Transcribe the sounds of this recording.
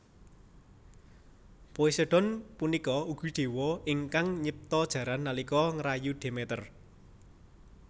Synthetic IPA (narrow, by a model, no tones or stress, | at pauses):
poiseɖ̥ɔ̤npunikɔuɡ̥ṳɖ̪̥e̤wɔɪŋkaŋɲəp̚t̪ɔd̥ʒ̥ä̤ɾanːalikɔŋɾajuɖ̥e̤met̪ər